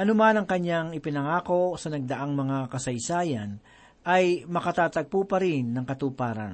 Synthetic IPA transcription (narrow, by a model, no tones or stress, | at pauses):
ʔɐnʊmanɐŋkɐɲːaŋɪpɪnɐŋaːko̞sɐnɐɡ̚d̪ɐʔaŋmɐŋakɐsɐjsaːjɐn | ʔɐjmɐkɐt̪aːt̪ɐɡ̚pupɐɾɪnːɐŋkɐt̪upaːɾɐ̰n